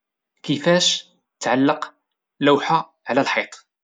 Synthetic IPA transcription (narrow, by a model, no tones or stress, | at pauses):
kəfæʃ | t̪ʕalːəq | læwħa | ʕlælħit̪ˤ